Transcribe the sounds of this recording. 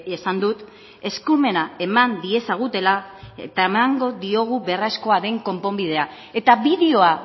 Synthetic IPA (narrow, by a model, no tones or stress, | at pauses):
esand̪ut̪ | e̞skume̞nae̞mand̪ie̞saɣ̞ut̪e̞laet̪aemaŋɡo̞ðio̞ɣ̞uβe̞rasko̞aɾe̞ŋko̞mpo̞mbið̞e̞a | e̞t̪aβiðeo̞a